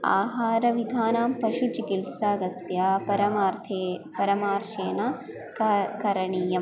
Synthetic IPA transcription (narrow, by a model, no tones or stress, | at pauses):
a̰ːɦaːɾɐʋid̪ʱaːnaːmpɐʃut͡ʃikilsaːɡɐsjaːpɐɾɐmːɾt̪ʰepɐɾɐmaːɾʃeːnɐ | kɐɾɐɳijɐm